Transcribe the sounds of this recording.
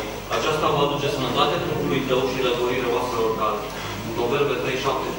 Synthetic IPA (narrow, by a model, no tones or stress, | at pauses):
at͡ʃast̪avad̪ut͡ʃe̞sənət̪at̪eap̪ut̪ulujt̪əwʃiləɡoɾiɾeaoast̪ɾeorkale | unpopelpet̪ɾe̞jʃap̚t̪e